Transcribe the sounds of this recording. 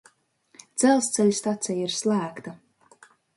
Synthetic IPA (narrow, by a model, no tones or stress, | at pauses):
d̪z̥ɛlˠst̪sɛlʲst̪at̪sɛjiɾslˠæːkt̪a